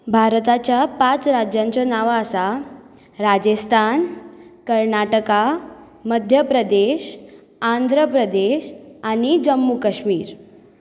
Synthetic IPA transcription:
bʱaɾt̪at͡ɕjapãt͡sɾad͡ʑjãɲt͡ɕɔnaʋaəsa | ɾad͡ʑəst̪ʰankəɾnaʈəka | məd̪ʱjəpɾəd̪eɕ | ãnd̪ʱɾəpɾəd̪eɕaɽ̃id͡ʑəmːukəɕmiːɾ

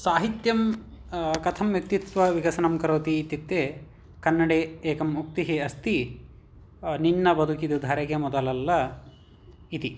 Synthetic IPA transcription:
saːɦit̪jɐm | kɐt̪ʰɐmʋjɐk̚t̪it̪ʋɐʋiɡɐsɐnɐmkɐɾoːt̪iːt̪ːit̪ːeː | kɐnːɐɽeeːkɐmuk̚t̪iɦeɐst̪i | ninːɐbɐd̪ʱukid̪ud̪ʱɐɾɐkɐmɔd̪ɐlɐlːɐ | it̪i

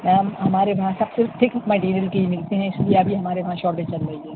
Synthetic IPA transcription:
amɦɐmaːɾeʋɐɦãsɐbsɪɾfʈ̪ʰɪkmɐʈiːɾijəlkeɦimɪlt̪eɦɛ̃ɪslieɐbʱiɦɐmaːɾeʋɐɦãʃɔːʈbʱet͡ʃɐlɾɐɦiɛː

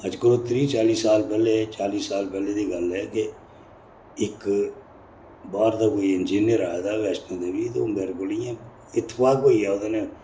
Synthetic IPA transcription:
əd͡ʒkəɾʊt̪ɾiːt͡ʃaːliːsaːlpɛːlet͡ʃaːliːsːaːlpɛːleːd̪iːɡəlɦɛːke | ɪk | baːɾt̪aːkoːiɪnd͡ʒiːnɪjəɾaːed̪aːʋɛːsʈõːd̪eːbiːt̪oːbelkʊlijãː | ɪt̪ʰːpaːkoːiːɛːod̪ane

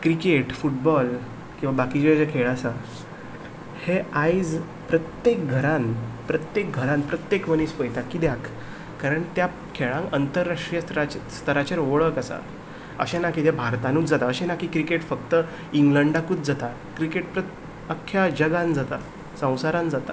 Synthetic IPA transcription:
kɾikeʈfuʈ̚bɔl | kĩw̃ʋabakit͡ɕed͡ʑekʰeɭasa | heajd͡z | pɾət̪jek̚ɡʱəɾãnpɾət̪jek̚ɡʱəɾãnpɾət̪jekʋəniːspəjt̪jakid̪jakː | aɾəɳt̪ja | kʰeɭãŋkənt̪əɾːaʂʈɾijət̪əɾat͡ɕst̪ʰəɾat͡ɕaɾʋoɭəkəsa̰ | ə̰ɕenakit̪jabʱaɾt̪anuːt͡sd͡zat̪aəɕenakiːkɾikeʈfək̚t̪ə | iŋɡləɳɖakuːt͡sd͡zat̪a | kɾikeʈ̚pɾə | əkʰːjad͡ʑəɡãnd͡zat̪a | sə̃w̃saɾãnd͡zat̪a̰

